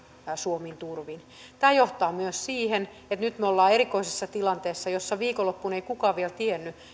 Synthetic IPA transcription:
suomint̪urʋin | t̪æːjoht̪ɑːmyøssiːhen | et̪nyt̪møolːɑːeɾikoisesːɑt̪ilɑnt̪eːsːɑjosːɑʋiːkolopːuneikukɑːʋielt̪ienːy

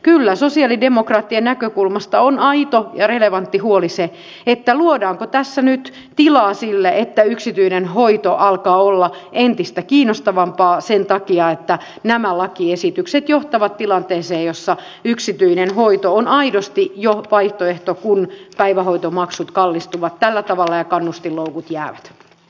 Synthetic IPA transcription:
kylːæsosiɑlidemokrɑːt̪ːienækøkulmɑst̪ɑonɑit̪ojɑreleʋɑnt̪ːihuolise | et̪ːæluodɑːŋkot̪æsːænyt̪ | t̪ilɑːsilːeʔet̪ːæyksit̪yinenɦoit̪oʔɑlkɑːolːɑʔent̪ist̪ækiːnost̪ɑʋɑmpɑːsent̪ɑkiɑet̪ːæ | næmælɑkiesit̪ykset̪joht̪ɑʋɑt̪t̪ilɑnt̪eːseːjosːɑ | yksit̪yinenhoit̪oonɑidost̪ijoʋɑiht̪oeht̪okunpæiʋæhoit̪omɑksut̪kɑlːist̪uʋɑt̪tælːæt̪ɑʋɑlːɑjɑkɑnːust̪illoukut̪jæːʋæt̪

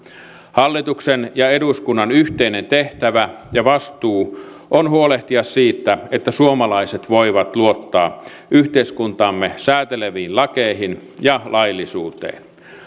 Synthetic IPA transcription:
hɑlːit̪uksenjɑe̞duskunːɑnyht̪einent̪e̞ht̪æʋæ | jɑʋɑst̪uː | ʔonhuoleht̪iɑssiːt̪ːæet̪ːæsuomɑlɑiset̪ʋoiʋɑt̪luot̪ːɑː | ʔyht̪eiskunt̪ɑːmːesæːt̪eleʋiːnlɑkeiɦin | jɑlʔɑjlːisuːt̪ḛːn

